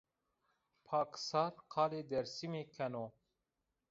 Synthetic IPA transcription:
pʰaːksaːɾqʰɑːleːd̪ɛɾsimeːkʰɛno

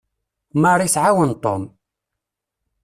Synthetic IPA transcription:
məɾˤisʕawənt̪ˤo̰m

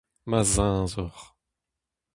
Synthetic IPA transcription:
mazɛ̃ːzɔʁ

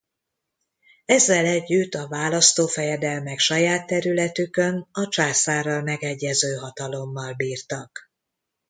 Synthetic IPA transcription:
ɛzːɛlɛɟːyt̪ːɒvaːlɒst̪oːfɛjɛd̪ɛlmɛkʃɒjaːt̪ːɛɾylɛt̪ykø̞nɒt͡ʃaːsaːrɒlmɛɡɛɟːɛzøːɦɒt̪ɒlo̞mːɒlbiːrt̪ɒk

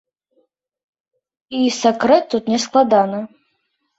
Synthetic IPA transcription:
isakɾɛt̪ːut̪nʲɛsklˠad̪anɐ

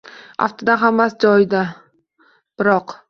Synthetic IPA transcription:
a̰ft̪ʰɪd̪anɦamːasd͡ʒɒjɪd̪a | b̥ɪɾɒq

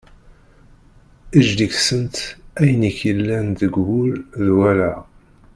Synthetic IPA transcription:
iʒd̪içsənt̪æjəniçəlːænd̪əɡhʊlðwælæ

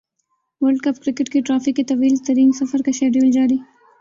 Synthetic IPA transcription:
wəlɖkapkɾɪkɪʈkeʈɾɑfɪkːet̪awilt̪aɾinsafaɾkaʃeɖold͡ʒɑɽi

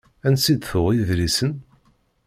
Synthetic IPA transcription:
ænsid̪fʊʁjəðɾisən

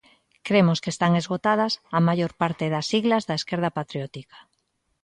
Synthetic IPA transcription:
kɾemoskest̪aŋezɣot̪að̞asamaʝoɾpaɾt̪eðasiɣlazðaeskeɾð̞apat̪ɾjot̪ikḁ

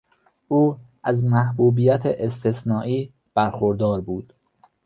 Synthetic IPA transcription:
ʔuː | ʔæzmæhbuːbiːjæt̪ʰeʔest̪ʰesnɒːʔiː | b̥æɾxoɾd̪ɒːɾbuːd̪̥

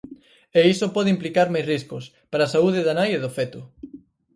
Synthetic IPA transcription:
eisopɔðɪimplikaɾmajsriskʊs | paɾasauðeðanajeðʊfet̪ʊ

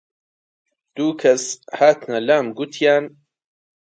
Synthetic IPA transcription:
d̪̥uːkʰɐshaːt̪nɐlaːmɡut̪ʰjaːn

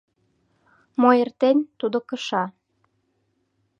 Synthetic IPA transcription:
moert̪enʲt̪ud̪okə̆ʃɑ

